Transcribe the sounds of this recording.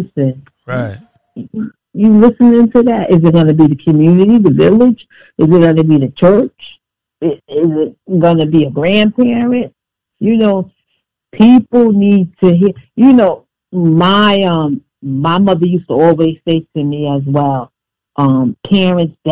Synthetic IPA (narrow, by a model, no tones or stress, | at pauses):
sɨ̃n | ɪ | jɨlɪsɨ̃nɪ̃ntʰʉðæɾɪzɨt̚ɡ̥ʌnɨbiðɨkʰɨmjʉnɨɾiðɨvɪlˠɪd͡ʒ | ɨzɨt̚ɡ̥ʌnɨbiðɨt͡ʃʰɜ˞t͡ʃ | ɪɪzɪt̚ɡ̥ʌnɨbiɨɡɹæ̃npʰɛɹɨ̃nt̚ | jɨnoʊ | pʰipl̩ˠnid̚tʰɨɦijɨnoʊ | maɪʌ̃mː | aɪmʌðə˞jʉstəɔlˠwiz̥seɪtʰɨmiɨzwɛlˠ | ʔʌ̃mpʰɛɹɨ̃ntsd̥